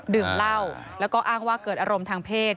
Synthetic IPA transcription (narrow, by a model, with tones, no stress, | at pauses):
dɯ˨˩ŋla˥˩wlɛ˦˥wkɔː˥˩ʔaː˥˩ŋwaː˥˩kɤː˨˩t̪̚ʔaː˧ɾo˧mt̪ʰaː˧ŋpʰeː˥˩t̪̚